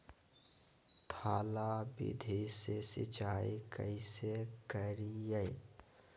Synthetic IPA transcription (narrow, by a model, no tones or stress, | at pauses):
t̪ʰaːlabḭd̪ʱesesɪ̰t͡ʃaːikə̰ɪsekəɾijə